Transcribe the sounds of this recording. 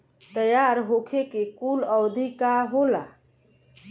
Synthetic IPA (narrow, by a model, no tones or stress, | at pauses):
t̪əjaɾɦokʰekekuləwd̪ʱikaɦola̰